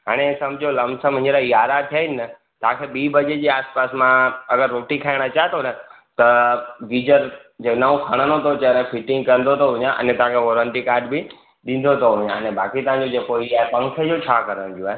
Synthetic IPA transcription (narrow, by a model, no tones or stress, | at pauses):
ɦaːɽ̃esɐ̃md͡ʑʱolɐmsəmɦɪ̃ɲd͡ʑɾaijaːɾat̪ʰijaːɪnɪnə | t̪ɐɦãkʰeɓiːbɐd͡ʑed͡ʑiːaːspaːsmãɐɡəɾːoːʈikʰaːɪɽ̃at͡ɕaːɦet̪ʰonɐ | t̪ɐʋiːd͡ʑəɾd͡ʑenaũkʰaɽ̃ənot̪ʰot͡ɕənẽfʰɪʈɪ̃ŋɡ̚kɐɾənd̪ʱot̪ʰoɦʊɲãʔə̰nẽt̪ɐãkʰeʋoːɾə̃ɳʈikaːɾɖbɪ | ɗɪ̃n̆d̪ʱot̪ʰoɦʊʊɲãənebaːkit̪ɐɦãnɲ̆d͡ʑod͡ʑeːkoiaːepɐ̃ŋkʰed͡ʑot͡ɕʰaːkɐɾəɽ̃d̪ijoaːɦe